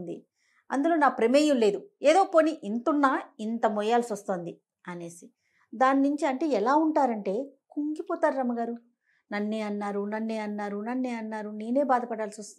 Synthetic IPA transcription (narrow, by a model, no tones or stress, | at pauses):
nd̪ḭ | ɐ̰nd̪ulo̞ːnaːpɾemeːjumle̞ːd̪ueːd̪o̞ːpoːniʔint̪unːaːint̪ɐmɔjaːlsiɐst̪oːnd̪i | ɐne̞ːsi | d̪aːninuɲt͡ʃiɐɳʈe̞ːɛlaːuɳʈaːɾɐɳʈe̞ːkuŋɡipɔːt̪aːɾuɾɐmːɐɡaːɾu | nɐnːeːɐnːaːɾunɐnːeːɐnːaːɾunɐnːeːɐnːaːɾune̞ːne̞ːbaːd̪ɐpɐɽaːlsiost̪